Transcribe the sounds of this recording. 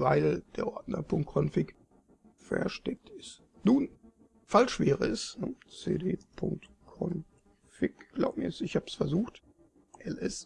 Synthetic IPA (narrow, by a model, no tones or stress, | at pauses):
vaɪləd̥eːɐʔɔɐdnɐ̰pʰʊŋk̚kʰɔnfɪk | fɛ̰ɐʃtɛk̚tɪs | nuːn | falʃv̥eːʁəɛsnə̰t͡sḛːdeːpʰʊŋk̚tkʰɔn | fɪkɡ̥la̰ʊmiɛsɪçhaːbsfɛɐzuːxt | ʔɛlʔɛs